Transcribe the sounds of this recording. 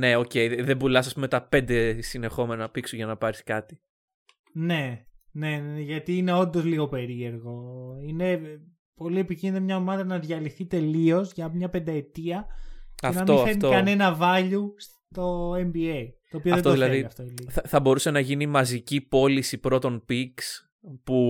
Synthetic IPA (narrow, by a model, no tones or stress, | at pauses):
ne̞o̞ce̞jðebulɐsɐspumet̪ɐpe̞nd̪e̞sine̞xo̞menɐnɐpiksuʝɐnɐpɐɾiskɐt̪i̥ | ne̞ne̞neneʝɐt̪iːne̞o̞nd̪o̞zliɣo̞pe̞ɾie̞ɾɣo̞ine̞ | po̞lie̞picinit̪ɐmɲɐomɐðɐnɐðʝɐliθit̪e̞lio̞zʝɐmɲɐpe̞nd̪ɐe̞t̪iɐcɐefnɐmt̪iofeniokɐne̞nɐvɐʎus | t̪o̞embieit̪oːpioɐðeod̪lɐeiɐft̪oeliɐθɐbo̞ɾuse̞nɐʝinimɐzicipo̞lisipɾo̞t̪o̞npiks | pu